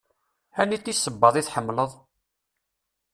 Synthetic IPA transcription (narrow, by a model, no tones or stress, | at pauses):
ænit̪ːisːəbːɑðˤiθħəmːləðˤ